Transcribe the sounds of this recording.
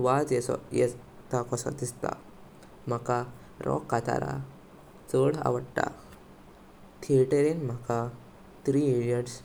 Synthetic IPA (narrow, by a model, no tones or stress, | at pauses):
ʋad͡zjɛsɔjɛ | t̪akɔsa̰d̪ist̪a̰ | m̤aka | ɾɔ̰kːat̪a̰ɾa̰ | t͡sɔɽa̰ʋəɽʈa̰ | t̪ʰeʈəɾenm̤aka | t̪ɾiilijəɖs